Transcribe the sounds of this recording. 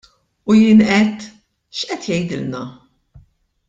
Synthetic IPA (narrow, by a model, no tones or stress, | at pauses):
ujɪːnʔɛt̪ː | ʃʔɛt̪jɛjd̪ɪlnɐ